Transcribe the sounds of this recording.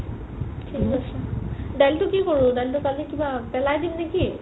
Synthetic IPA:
tʰikasaɖaltʊkikoɹudajltʊkalikibapɛlajdimneki

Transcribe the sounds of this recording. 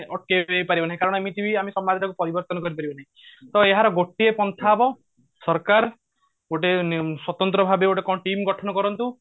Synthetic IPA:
ɔʈ̚keepaɾibɔnaɦẽkaɾɔɽ̃ɔemit̪ibʱiamesɔmːad̪ʱaʈakupɔɾibɔɾt̪ɔnɔkɔɾip̬aɾibɔnaɦĩ | t̪ɔeɦaɾɔɡoʈiepɔnt̪ʰabɔ | sɔɾkaɾ | oʈeswɔt̪ɔnt̪ɾɔbʱabeoʈekɔ̃ʈimɡɔʈʰɔnɔkɔɾɔnt̪u

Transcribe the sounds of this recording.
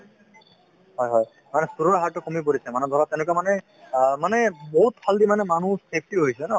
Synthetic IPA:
hɔjɦɔj | manɛsuɾoɦaɹtːɔkomip̬oɹisɛmanɛbʱabat̪ɛ̃nʊkamanɛ | manɛboɦut̚pʰaldimanɛmanũsʰep̚ʰtiɦojsɛnɔ

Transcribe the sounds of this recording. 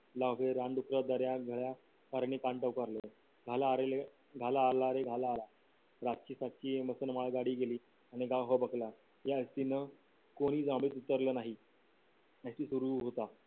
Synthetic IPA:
laʋeɾãɳɖukɾəd̪əɾjaɡʱəɭja | kaɾɳikaɳʈəukaɾle | ɡʱalaɾele | ɡʱalaːɾlaɾeɡʱalaːla | ɾat̚t͡ɕiːsaʈ̚t͡ɕiːeməsənmaɭɡaɽiːɡeliː | aɽ̃iɡawɦɔbəkla | jaəst̪inə | koɽ̃iːd͡zãmbɭiːt̪ut̪əɾləːnaɦi | əɕiːsuɾuɦot̪a

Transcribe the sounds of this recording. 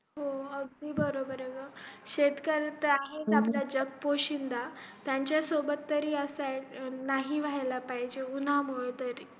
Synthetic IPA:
ɦoəɡ̚d̪iːbəɾobəɾeɡəɕet̪kəɾt̪əaɦit͡saplad͡ʑəkpoɕind̪at̪jaɲt͡ɕjasobət̪ːəɾiːəsaʈnaɦiʋajlapaɦid͡ʑeunamuɭət̪əɾi

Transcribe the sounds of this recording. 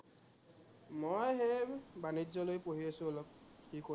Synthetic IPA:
mojɦebanizɔlojpoɦiasʊɔlɔp̚kiko

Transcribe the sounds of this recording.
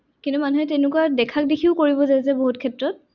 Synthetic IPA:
kintumanuɦɛtenʊkuadɛkʰak̚dikʰiʊkoɹibɔzazɛboɦutkʰɛtɹɔt̚

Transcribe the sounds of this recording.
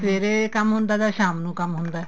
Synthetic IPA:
peːɾekəmɦʊ̃nd̪aːd̪aːʃaːmnũːkəmɦʊnd̪aː

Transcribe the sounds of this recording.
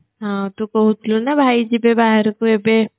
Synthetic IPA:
ɦãt̪ukoɦut̪lonabʱaːid͡ʒibebaːɦəɾkoebe

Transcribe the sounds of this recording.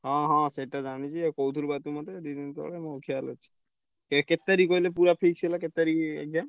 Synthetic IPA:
ɦãɦãseʈad͡ʒaɽ̃it͡ʃʰikowt̪ʰuɾbat̪umat̪eɖid̪ent̪ɔ̰ɭemɔkʰjalət͡ʃʰi̥ | keket̪ːaɾikoilepuɾapʰik̚t͡ʃʰelaket̪ːaɾiḛk̚dam

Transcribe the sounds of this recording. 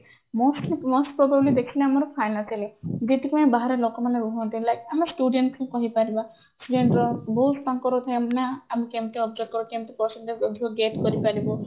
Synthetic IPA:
mosʈlimosʈpɾɔbablid̪ekʰileamɔɾɔpʰajnat͡ʃaled͡ʒit̪ikibaɦaɾelokɔmaneɾuɦɔnt̪ilajkamɔsʈuɖeɳʈskẽkɔɦipaɾiba | sʈuɖeɳʈɾɔboɦutaŋkɔɾɔt̪ʰajamnaamikemt̪eɔbd͡ʒek̚kɔɾokemt̪epɾɔsɔnʈeɔd̪ʱiɔɡeʈkɔɾipaɾibɔ

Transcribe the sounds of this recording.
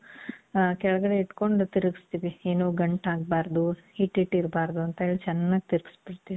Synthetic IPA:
kɛɭɐɡɐɽe̞iʈko̞ɳɖt̪iɾɐɡist̪iʋieːnuːɡɐɳʈaːɡ̚baːɾd̪uhiʈɦiʈːiɾbaːɾd̪uɐnt̪ɐiɭːt͡ʃɛnːaːɡit̪iɾɡi̥spiɽt̪iʋi

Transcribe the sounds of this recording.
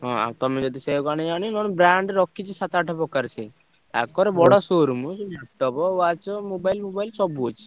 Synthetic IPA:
ɦɔ̃a̰wt̪ɔmed͡ʒɔd̪iseɡañiañinɔnbɾaɳɖɾɔkːit͡ʃʰisat̪aʈʰɔpɔkaɾt͡ʃʰi | t̪a̰kkɔɾebɔɽɔsoɾumusmɔʈːɔbɔwat͡ʃɔmobajlmobajlsɔbuot͡ʃʰi̥

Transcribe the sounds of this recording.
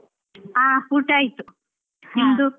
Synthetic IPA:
aːpuʈajt̪u | hind̪u

